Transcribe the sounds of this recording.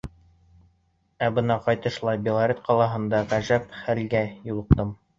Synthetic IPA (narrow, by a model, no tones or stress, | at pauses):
æbɤnɑqɑjt̪ɤ̆ʃlˠɑjbɪlˠaɾʲet̪qʰɑlˠɑɦɤ̆nd̪ɑʁæʒæpχælɡæjulˠɤ̆q̚t̪ɤm